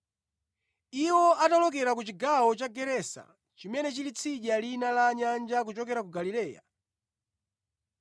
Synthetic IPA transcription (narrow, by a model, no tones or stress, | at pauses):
iwɔʔatalɔkɛɾak̬ut͡ʃiɡawɔt͡ʃaɡɛɾɛsa̰ | t͡ʃimɛnɛt͡ʃilit͡sʰiʄalinalaɲand͡ʒak̬ut͡ʃɔkɛɾakuɡalilɛːja̰